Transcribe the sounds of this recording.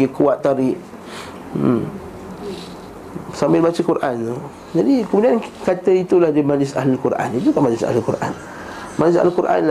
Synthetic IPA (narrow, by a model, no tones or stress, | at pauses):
ɡikuwat̪̚t̪ːaɾɪʔ̩ | sambɪlbat͡ʃəkuɾʔant̪u | d͡ʒadikəmudiankat̪əit̪ulahdimad͡ʒlɪsa̰ɦlalkuɾʔa̰nit̪ukamad͡ʒlɪsa̰ɦlalkuɾʔa̰n | mad͡ʒlɪs̬a̰lalkuɾʔa̰nla